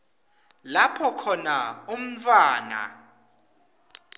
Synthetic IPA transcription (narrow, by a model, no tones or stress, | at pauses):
lapʰɔkʰɔnaum̩tʰʼwaːna̰